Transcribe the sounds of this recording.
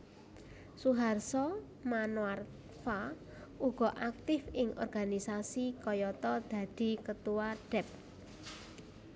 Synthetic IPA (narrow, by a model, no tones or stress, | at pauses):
suɦarsɔ | manwar | fa | uɡ̥ɔ̤ʔak̚t̪ɪfɪŋɔ̰rɡ̥anisasikɔjɔt̪ɔd̪̥a̤d̪̥i̤kət̪uwaɖ̥ɛp̚